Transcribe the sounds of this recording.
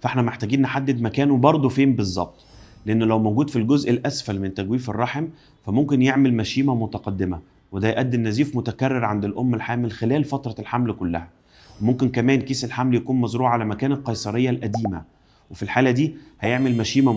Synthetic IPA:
fʔeħnæmeħt̪æːɡiːnːħad̪ːed̪mækæːnuwbɑɾˤd̪ˤofeːmbezˤːɑ̰b̚t̪ˤleʔenːlæwmowɡuːd̪filɡozʔelʔæsfælment̪æɡwiːferˤːɑħem | fæmomkenjeʕmelmæʃiːmæmot̪æqɑd̪ːemæ | wed̪æjʔæd̪ːenːæziːfmot̪ækærːeɾʕand̪elʔomːelħaːmelxelæːlfɑt̪ɾˤɑlħamlkolːæ̰hæ | wemomkenkæmæːnkiːselħamljækuːnmɑzɾuːʕalæmækæːnælqɑjsˤɑɾejːælʔæd̪iːmæ̰ | wefilħaːlæd̪iːhæjeʕmelmæʃiːmæ

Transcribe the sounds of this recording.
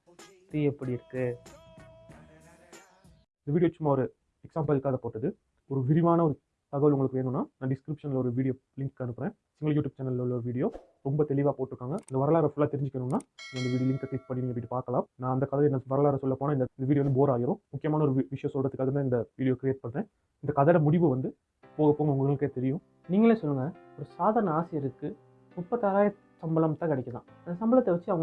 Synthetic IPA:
kɾiɛpːɐɽɪɪɾɯkːɯ | ɪnd̪ɐʋiːɽɪjot͡ʃːʊmːaːɔɾɯ | ɛksaːmpɐlkːaːðɐpoːʈːɐðɯ | ɔɾɯʋɪɾɪʋaːnɐɔɾɯ | t̪ɐɣɐʋɐlʊŋɡɐɭɯkːɯʋeːnːɯnːaːnãːɖɪskɾɪpʂɐnlɔɾɯʋiːɽɪjoː | lɪŋkːɐnɯpːɯɾẽː | sɪŋɡɐɭɐjuːʈːjuːb̚t͡ʃɛnːɐllɔɾɯʋiːɽɪjoː | ɾɔmbɐt̪ɛɭɪʋaːpoːʈːɪɾɯkːaːŋɡɐɪnd̪ɐʋɐɾɐlaːɾɐfʊlːaːt̪ɛɾɪɲd͡ʒɪkːɐnːɯnːaːɪŋɡɐɪnd̪ʋiːɽɪjolɪŋkɐklɪk̚pɐɳːiniːŋɡɛpːoːɪʈːɯpaːɾkɐlãːnãːɐnd̪ɐkɐðɐɛnːɐʋɐɾɐlaːɾɐsɔlːɐpoːnaːɪnd̪ɐɪnd̪ʋiːɽɪjːʋnd̪ɯboːɾaːjɪɾʊ̃mʊkːɪjɐmaːnɐɔɾɯʋɪʂɐjɔ̃sɔlrɐðɯkːɐðɯɾnaːɪnd̪ɐʋiːɽɪjoːkɪɾɪjeːʈ̚pɐɳɾẽː | ɪnd̪ɐkɐðɐɽɐmʊɽɪʋɯʋɐnd̪ɯ | poːɣɐpoːŋɡɐʊŋɡɐɡɐɭɯkːeːt̪ɛɾɪjʊ̃ | niːŋɡɐleːsɔlːɯŋɡɐɔɾɯsaːðaːɾɐnɐaːsɪjɐɾɯkːɯ | mʊpːɐt̪ːaːɾaːjɐ | sɐmbɐlɐmt̪ãːkɪɽɐkʲːɐt̪ãːnɐsɐmbɐlɐt̪ːɛʋɐt͡ʃːɯɐʋɐŋɡ

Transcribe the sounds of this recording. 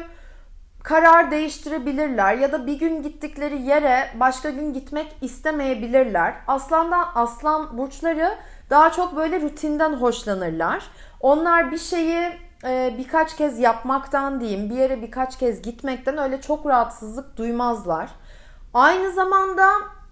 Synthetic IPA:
kʰaɾaɾd̪e̞jiʃt̪ʰiɾe̞bilʲiɾlʲæɾjad̪abiɟynɟit̪ːiclʲe̞ɾije̞ɾɛbaʃkaɟynɟit̪mɛcist̪ʰɛme̞jebilʲiɾlʲæɾ̥aslˠand̪aʔaslˠanbuɾt͡ʃlˠaɾɯ | d̪̥aɦat͡ʃʰo̞k̚bø̞jlʲɛɾyt̪ʰind̪ænɦo̞ʃlˠanɯɾlˠaɾ̥ | o̞nlˠaɾbiʃe̞ji | ɛːbikʰat͡ʃcʰɛzjapmakt̪ʰand̪ejimbije̞ɾɛbikʰat͡ʃcʰɛzɟit̪mɛc̚t̪ʰænø̞jlʲɛt͡ʃʰo̞kɾaɦat̪sɯzlˠɯk̚d̪̥ujmazlˠaɾ̥ | ajnɯzamand̪a

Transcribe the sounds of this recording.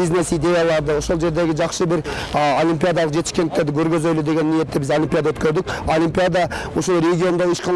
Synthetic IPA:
iznesijd̪e̞jalˠɑɾd̪əwo̞ʃo̞lˠʒe̞ɾd̪e̞ɡʲɪʒɑqsəbɪɾolʲimpijad̪ɑlˠəqʒe̞t̪ɪ̥ʃkʲendɪkt̪eɾd̪ɪkʲʰɵɾɡʲezøjlɪd̪e̞ɡʲe̞nːije̞t̪ːɪbɪzolʲimpʲijad̪awɵt̪kʲe̞ɾd̪ɪk̚ʲo̞lʲimpijad̪ɑwosolɾe̞ɡʲio̞nd̪ɑeʃqʰɑn

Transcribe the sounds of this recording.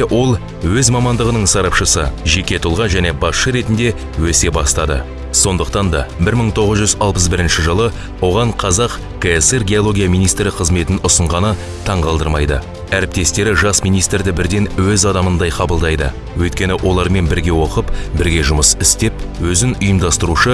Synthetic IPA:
ʔwʔo̞lˠ | wɵzmɑmɑnd̪əʁənəɴsɑɾɑpʃəsəʒe̞kʲe̞t̪ʰʊlˠʁɑʒæne̞bɑsʃəɾe̞t̪ɪnd̪e̞ | wɵse̞bɑst̪ɑd̪ə̰ | so̞nd̪əq̚t̪ɑnd̪ɑ̰bɪɾməɴt̪ʰo̞ʁəzʒʏzɑlˠpəs̬bɪɾɪnʃɪʒəlˠə | wo̞ʁɑɴqʰɑzɑq | keeseɾɡʲeolˠo̞ɡʲijamijnijst̪ɾɪqʰəzme̞t̪ɪnʊsəɴʁɑnə | t̪ʰɑɴʁɑlˠd̪əɾmɑjd̪ə̰ | æɾɪp̚t̪e̞st̪e̞ɾɪʒɑsmijnijst̪ɾd̪ɪbɪɾd̪e̞nwɵzɑd̪ɑmənd̪ɑjqʰɑbəlˠd̪ɑjd̪ə̰ | wɵjt̪̚kʲe̞nɪʔo̞lˠɑɾme̞nbɪɾɡʲe̞wo̞qəpbɪɾɡʲe̞ʒʊməsɪst̪e̞p̚wɵzɪnʊjəmd̪ɑst̪əɾuʃə

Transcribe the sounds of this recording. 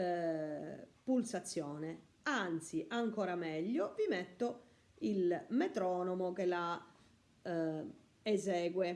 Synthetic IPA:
pulsat̪sːjɔːne | ant̪siʔaŋkoːɾamɛʎːovimɛt̪ːo | ilmɛt̪ɾɔːnomok̟ela | ezɛːɡwe

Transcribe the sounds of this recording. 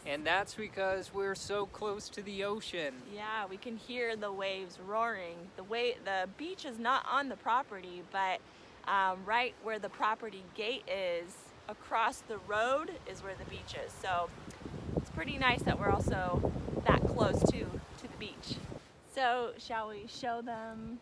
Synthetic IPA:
ɨ̃nðætsb̥ɨkʰʌzwɪɹsoʊkʰl̥oʊstʰɨðioʊʃɨ̃njæwikɨ̃nhiɹðəweɪvzɹɔɹɪ̃ŋðəweɪðɨbit͡ʃɨznəɾʔn̩ðəpʰɹ̥ɑpə˞ɾibʌt̚ | ʔʌ̃mɹaɪʔ̚wə˞ðɨpʰɹ̥ɑpə˞ɾiɡeɪɾɪz̥ | əkʰɹ̥ɔsðɨɹoʊɾɪzwə˞ðɨbit͡ʃɪz̥soʊ | ɨtspʰɹ̥ɪɾinaɪsðɨt̚wɪɹɔlˠsoʊðə̰t̚kʰl̥oʊstʰɨɾʰɨðɨbit͡ʃ | soʊʃəlˠwiʃoʊðə̃m

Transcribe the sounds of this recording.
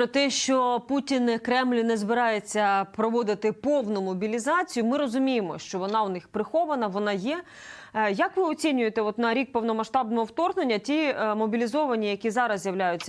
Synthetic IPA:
pɾɔt̪ɛʃt͡ʃɔputʲinkɾɛmlʲnɛzbɪɾɑjet͡sʲːɐpɾɔʋɔd̪ɪt̪ɪpɔwnʊmɔbʲilʲizɑt͡sʲijʊmɪɾɔzʊmʲijemɔʃt͡ʃɔʋɔnɑwnɪxpɾɪxɔʋɐnɐʋɔnɑjɛ | jɐkʋɪɔt͡sʲinʲʊjet̪ɛɔt̪nɐɾʲik̚pɔwnɔmɐʃt̪ɑbnɔɦɔwt̪ɔrne̞nʲːɐtʲimɔbʲilʲizɔʋɐnʲijɐkʲizɑɾɐzʲjɐʋlʲajʊt͡sʲːɐ

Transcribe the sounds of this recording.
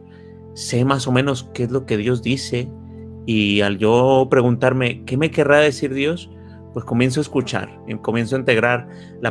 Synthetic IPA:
se̞maso̞mẽ̞no̞skeezlo̞ke̞ðjo̞zd̪ise̞ | ialʝo̞pɾe̞ɣunt̪aɾme̞ke̞me̞ke̞raðe̞siɾðjo̞s | pwe̞sko̞mje̞ns̬oaeskut͡ʃa̰ɾko̞mje̞ns̬oint̪e̞ɣɾaɾ | la

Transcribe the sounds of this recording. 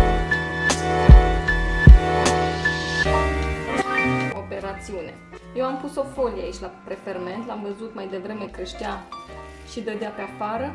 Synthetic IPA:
ope̞ɾat̪siune̞ | jewampuso̞fo̞lieait͡ʃʲlapɾefe̞rme̞nt̪lamvəzut̪majd̪e̞vɾe̞me̞kəʃt̪ia | ʃid̪əd̪eapeafaɾə

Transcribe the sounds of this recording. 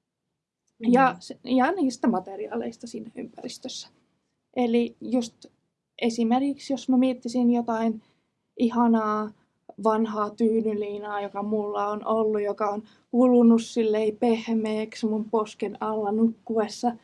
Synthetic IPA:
jɑsjɑniːst̪æmɑt̪eriɑ̰ːlḛist̪ɑsiːnæy̰mpærist̪øsːæ̥ | ʔelijust̪ | ʔesimerkiksjosmæmiet̪ːisinjot̪ɑin | ʔihɑnɑː | ʋɑnhɑːt̪yːnyliːnɑːjokɑmulːɑonʔolːujokɑon | hulunussilːeipehmeːksmumposkenɑlːɑnukːuesːɑ

